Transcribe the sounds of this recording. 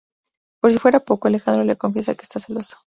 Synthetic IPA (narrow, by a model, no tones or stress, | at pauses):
po̞ɾs̬ifwe̞ɾapo̞ko̞alexand̪ɾo̞lekoɱfje̞sake̥ːst̪aseloso̥